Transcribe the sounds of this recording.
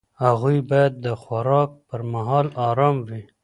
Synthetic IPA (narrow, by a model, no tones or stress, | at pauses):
haɣujbɑjad̪̚ːəxwaɾɑk̚pəɾmaɦɑlɑɾɑːmwi